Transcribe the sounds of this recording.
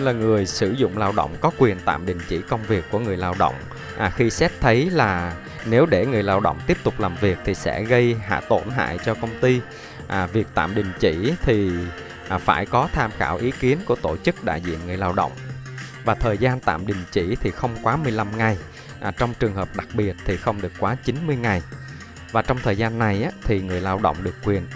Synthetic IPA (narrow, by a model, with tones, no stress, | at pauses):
laː˨˩ŋɨ˨˩əjsɨ˧˩zʊ̰˧˨ŋ͡mlaː˧wɗə̰˧˨wŋ͡mkɔ˨˦kwi˨˩ənt̪a̰ː˧˨mɗï˨˩ŋ̟t͡ɕḭ˧˩kə˧wŋ͡mvi˨˩əkːu˧˩əŋɨ˨˩əjlaː˧wɗə̰˧˨wŋ͡m | ʔxi˧sɛ˦˥p̚t̪ʰə˨˦jlaː˨˩ | ne˨˦wɗe˧˩ŋɨ˨˩əjlaː˧wɗə̰˧˨wŋ͡mt̪i˦˥əp̚t̪ʊ˨˩k͡p̚laː˨˩mvi˨˩ək̚t̪ʰi˨˩sɛ̰˧˥ɣə˧jɦa̰ː˧˩t̪o˧˩nɦa̰ː˧˨jt͡ɕɔ˧kə˧wŋ͡mt̪i˧ | ʔvi˨˩ək̚t̪a̰ː˧˨mɗï˨˩ŋ̟t͡ɕḭ˧˩t̪ʰi˨˩ | faː˧˩jkɔ˨˦t̪ʰaː˧mxaː˧˩wʔi˨˦ki˨˦ənku˧˩ət̪o˧˩t͡ɕɨ˦˥k̚ɗa̰ː˧˨jzḭ˧˨ənŋɨ˨˩əjlaː˧wɗə̰˧˨wŋ͡mvaː˨˩t̪ʰəː˨˩jzaː˧nt̪a̰ː˧˨mɗï˨˩ŋ̟t͡ɕi˧˩t̪ʰi˨˩xə˧wŋ͡mkwaː˨˦mɨ˨˩əjla˧mŋa˨˩j | ʔt͡ɕɔ˧wŋ͡mt͡ɕɨ˨˩əŋɦəː˨˩p̚ɗa˨˩k̚ɓi˨˩ət̚t̪ʰi˨˩xə˧wŋ͡mɗɨ˨˩əkːwaː˨˦t͡ɕi˨˦nmɨ˧əjŋa˨˩j | vaː˨˩t͡ɕɔ˧wŋ͡mt̪ʰəː˨˩zaː˧nːa˨˩jʔaː˨˦t̪ʰi˨˩ŋɨ˨˩əjlaː˧wɗə̰˧˨wŋ͡mɗɨ˨˩əkːwi˨˩ən